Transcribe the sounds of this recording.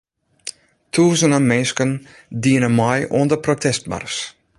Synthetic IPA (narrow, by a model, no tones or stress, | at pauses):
tʰuːzənəmɛnskən | diənəmɔjuəndəprotʰɛst̚ma̰rs